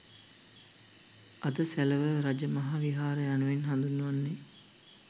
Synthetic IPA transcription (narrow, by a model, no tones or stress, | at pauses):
ʔad̪əsæləʋəɾad͡ʒəmɐɦaʋiɦaːɾəjanuʋenɦand̪unːuʋanːe